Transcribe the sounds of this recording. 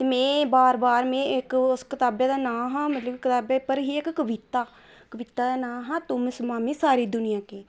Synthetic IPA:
t̪eːmɛ̃ːbaːɾbaːɾmẽːɪkʊskɪt̪aːbeːd̪aːnãːɦãːmət̪ləbkɪt̪aːbeːpəɾɦiːɪkːəʋɪt̪aː | kəʋɪt̪ːaːd̪aːnãːɦãːt̪ʊmɪsmãːmẽːsaːɾiːd̪ʊnɪjãːkeː

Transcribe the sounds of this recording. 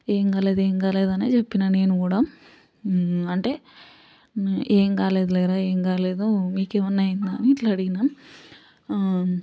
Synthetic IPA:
eːŋkaːle̞ːd̪ueːŋkaːle̞ːd̪ɐnḛt͡ʃe̞pːinane̞ːnukuːɽaː | ɐɳʈe̞ː | ʔeːŋkaːle̞ːd̪ulɛːɾaːeːŋkaːle̞ːd̪umiːkeːʋɐnːaːjind̪aːniːʈlɐɽiɡina

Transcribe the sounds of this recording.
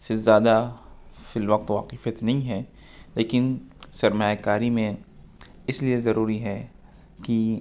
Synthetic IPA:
sezjaːd̪afɪlʋɐq̚t̪ʋaqifət̪nɐɦĩɦɛ | leːkɪnsɐɾmaːjakaːɾimẽ | ɪsliezɐɾuːɾiɦɛ | ki

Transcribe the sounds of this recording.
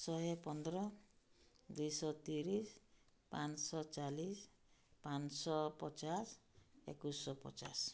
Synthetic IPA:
sɔɦɔpɔnd̪ɔɾɔ | d̪ujsɔt̪iɾis | pansɔt͡ʃalis | pansɔpɔt͡ʃasḛkusɔpɔ̰t͡ʃa̰s

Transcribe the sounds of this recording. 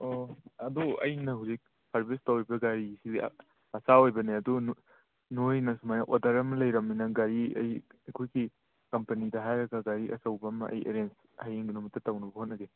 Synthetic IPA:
oɐduɐ̰jnɐɦuwzik̚ | sɐɾbestawibɐɡaɾisibḭ | ɐsaojbɐneɐdun | nojnɐsumajaʔodaɾɐmɐlɐjɾɐmːinɐɡaɾiɐ̰jɐjkʰojɡi | kɐmpɐnidɐɦajɾɐɡɐɡaɾiʔɐ̰sɐwbɐmɐ̰ʔɐ̰jḛɾens | hajeŋɡinumɐtːɐtawnɐbɐhot̚nɐɡe

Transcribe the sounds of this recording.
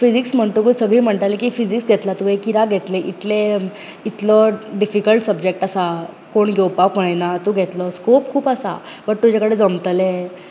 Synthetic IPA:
fid͡ziksm̤əɳt̪ukəsəɡɭiːm̤əɳʈ̪alekifid͡ziksɡ̪ʱet̪lat̪uekiɾaɡʱet̪leʔit̪le | it̪ləɖifikəlʈsəbd͡ʑek̚ʈasa | koɳɡʱewpapəɽjnat̪uɡʱet̪ləskop̚kʰuːpasa̰ | pəʈ̚t̪ud͡ʑakəɽed͡zəmt̪əle

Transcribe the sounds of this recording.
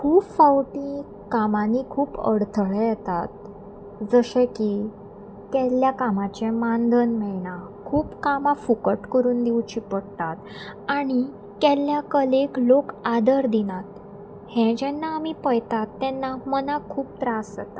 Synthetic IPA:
kʰuːpfawʈĩ | kamanikʰuːpə̰ɽt̪ʰəɭɛjɛt̪at̪̚ | d͡zəɕɛ̃ki | kɛljakamãt͡ɕɛ̃mand̪ʱənmɛɭna | kʰuːpkamãfukəʈkəɾuːnd̪iwt͡ɕipəɽt̪at̪ | aɽ̃i | kɛljakəleklokad̪əɾd̪inat̪ | hɛ̃d͡ʑɛnːaːmipəjt̪at̪ːɛnːamənakʰuːp̚t̪ɾasd͡zə̰t̪a

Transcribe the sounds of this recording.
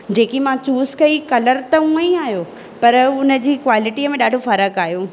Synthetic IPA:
d͡ʑeːkimãt͡ɕuːzkɐikɐləɾt̪ɐũəĩaːɦjo | pɐɾʊnəd͡ʑiːkʋaːlɪʈiəmẽɗaːɖʱofɐɾəkaːɦjũ

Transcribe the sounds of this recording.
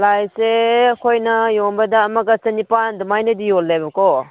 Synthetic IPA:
lajseɐkʰojnɐjoŋbɐdaːmaɡɐt͡ʃɐnipandumajnɐdijɔlːajbɐkɔ

